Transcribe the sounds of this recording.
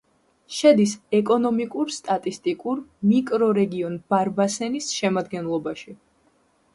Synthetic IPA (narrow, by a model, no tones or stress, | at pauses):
ʃɛd̪isɛkʼɔnɔmikʼuɾst̪ʼat̪ʼist̪ʼikʼuɾmikʼɾɔɾɛɡiɔnb̥aɾbasɛnisʃɛmad̪ɡɛnlˠɔbaʃi